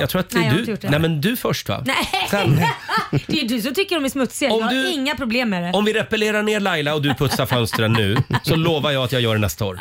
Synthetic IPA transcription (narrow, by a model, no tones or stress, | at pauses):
jɑ̰ɡt̪ʰɾuːat̪d̪ʉjnɛmɛnd̪ɵfœʂʈva̰nɛsɛn | d̪d̪ʉsɔmt̪ʰʏkːəɖɔmæsmɵt̪sɪɡaɔmd̪ɵɪŋːapʰɾʊbleːmːɛɾɛɔmvɪɾɛpɛleːɾaɳeːlajlaɔd̪ɵpʰɵt̪saɾfœnst̪ɾənːʉ̟ːsɔloːvaɾjɑːat̪jɑːɡjœːɖɛnɛ̰st̪ao̰ːɾ